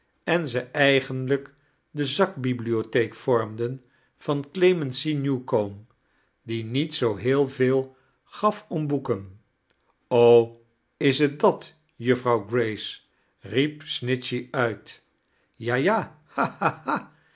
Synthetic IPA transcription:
ɛnzəʔɛjχənlək | dəzɑk̚bibliotejkfɔɹmdən | v̥ɑnklemɛnsinjukom | dinitsowɦɪːlˠvɪːlˠ | χɑfɔmbukən | ow | ɪsət̚dɑt | jəfrɑwɡrejs | ripsnɪsiœɥt | jaːjaː | haaa

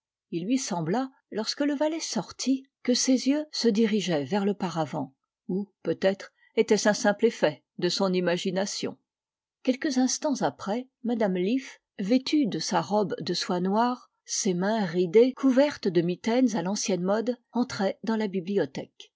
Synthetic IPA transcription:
ilɥisɑ̃bla | lɔʁskələvalɛsɔʁt̪ʰikəsezjøsəd̪iʁiʒɛvɛʁləpaʁavɑ̃ | upøt̪ɛt̪χ | et̪ɛsɛ̃sɛ̃plefɛ | d̪əsɔ̃nimaʒinasjɔ̰̃ | kʲɛlkəzɛ̃st̪ɑ̃zapχɛ | mad̪amlif | vet̪ʰyd̪əsaʁɔbd̪əswanwaːʁ | semɛ̃ʁid̪ekʰuvɛʁt̪d̪əmit̪ɛnzalɑ̃sjɛnmɔd̪ɑ̃t̪χɛd̪ɑ̃labibliɔt̪ɛk

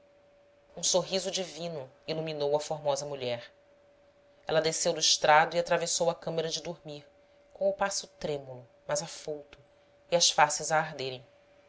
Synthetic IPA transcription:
ũsoɦizʊd͡ʒivĩnʊiluminowɐfoɾmɔzɐmuʎɛɾ | ɛ̰lɐd̪esewd̪ʊiʃt̪ɾad̪ʊiat̪ɾavesowɐkɐ̃meɾɐd͡ʒɪd̪oɾmiɾ | kõʊpasʊt̪ɾẽmulʊ | mɐzafowt̪ʊ | iɐsfasɪzɐːɦd̪eɾẽj̃

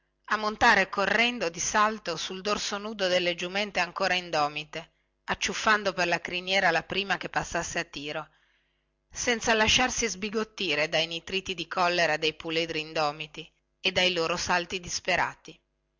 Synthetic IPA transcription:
amːont̪aːɾekorːɛnd̪od̪isalt̪osuld̪orsonuːd̪od̪elːed͡ʒumɛnt̪eaŋkoːɾaind̪ɔːmit̪e | at͡ʃːufːand̪operlakɾinjɛːɾalapɾiːmak̟epːasːasːeat̪ːiːɾo | sɛnt̪salaʃːarsizbiɡot̪ːiːɾed̪ajnit̪ɾiːt̪id̪ikʰɔlːeɾad̪ejpuled̪ɾiːnd̪ɔːmit̪i | ed̪ːajloːɾosalt̪id̪ispeɾa̰ːt̪i

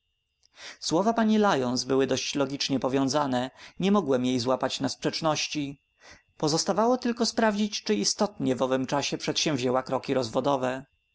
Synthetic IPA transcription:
swɔvapaɲilajɔnsbɘwɘd̪ɔɕt͡ɕlɔɡʲit͡ʂɲɛpɔvʲjɔ̃w̃zanɛɲɛmɔɡwɛmjejzwapat͡ɕnaspʂɛt͡ʂnɔɕt͡ɕi | pɔzɔst̪avawɔt̪ɘlkɔspɾavd͡ʑit͡ɕt͡ʂɘist̪ɔt̪ɲɛvɔvɘmt͡ʂaɕɛpʂɛt̪ɕɛ̃wvʑɛwakɾɔkʲiɾɔzvɔd̪ɔvɛ

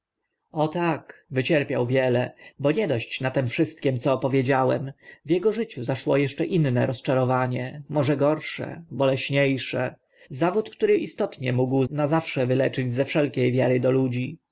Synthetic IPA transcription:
ɔt̪akvɘt͡ɕɛɾpʲjawvʲjɛlɛbɔɲɛd̪ɔɕt͡ɕnat̪ɛmfʂɘst̪̚kʲɛmt̪sɔːpɔvʲjed͡ʑawɛmvʲjɛɡɔʐɘt͡ɕuzaʂwɔjɛʂt͡ʂɛʔinːɛɾɔst͡ʂaɾɔvaɲɛmɔʐɛɡɔɾʂɛ̰bɔlɛɕɲejʂɛ | zavut̪kt̪uɾɘʔist̪ɔt̪ɲɛmuɡwnazafʂɛvɘlɛt͡ʂɘd͡ʑzɛfʂɛlkʲejvʲjaɾɘd̪ɔlud͡ʑi

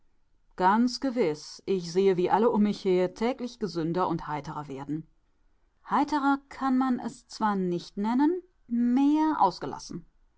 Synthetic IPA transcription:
ɡ̥ant͡sɡ̥əvɪsʔɪçz̥eːəviːʔaləʔʊmːɪçheːɐtʰɛːklɪçɡ̥əzʏndɐʔʊnthaɪtəʁɐveːɐdn̩ | haɪtəʁɐkʰanmanʔɛ̰st͡sv̥aːɐnɪçtnɛnən | meːɐʔa̰ʊsɡ̥əlʔa̰sn̩

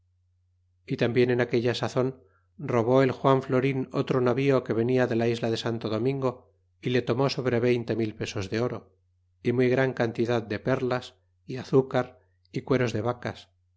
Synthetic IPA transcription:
it̪ambje̞ne̞nake̞ʎasaθo̞n | ro̞β̞o̞e̞lxwaɱflo̞ɾino̰t̪ɾonaβioke̞β̞e̞niaðe̞laizlaðe̞sant̪oðo̞mĩŋɡo̞ | ile̞t̪o̞mo̞so̞β̞ɾe̞βe̞jnt̪e̞milpe̞so̞zðe̞o̞ɾo | imujɣɾaŋkant̪iðaðd̪e̞pe̞ɾlas | iaθukaɾ | ikwe̞ɾo̞zðe̞βakas

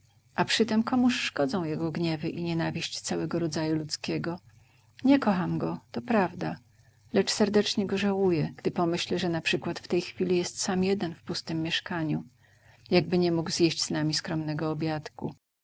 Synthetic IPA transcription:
ʔapʂɘt̪ɛmkɔmuʂʂkɔd̪zɔ̃w̃jɛɡɔɡɲɛvɘʔiɲɛnavʲiɕt͡ɕt̪sawɛɡɔɾɔd̪zajulut̪skʲɛɡɔ | ɲɛkɔxamɡɔt̪ɔpɾavd̪a | lɛt͡ʂsɛɾd̪ɛt͡ʂɲɛɡɔʐawujɛɡ̥d̪ɘpɔmɘɕlɛʐɛnapʂɘkwat̪ft̪ɛjxfʲilʲijɛst̪samjɛd̪ɛnfpust̪ɘmːjɛʂkaɲu | jaɡ̚bɘɲɛmuɡz̥ʲjɛɕd͡ʑz̥namʲiskɾɔmnɛɡɔːbʲjat̪kṵ

